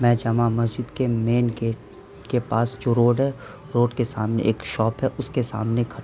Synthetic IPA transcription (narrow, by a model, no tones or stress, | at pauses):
mɛ̃ːd͡ʒaːmamɐsd͡ʒɪd̪kemeːnɡeːʈ | kepaːsd͡ʒoːɾoːɖɦɛ | ɾoːɖkesaːmnḛʔeːkʃɔːpɦɛʔʊskesa̰ːmnekʰɐ